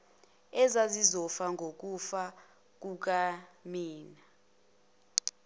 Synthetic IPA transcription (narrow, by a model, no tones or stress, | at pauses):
ɛzazizɔfaŋʱok̬ʼufa | k̬uk̬amiːna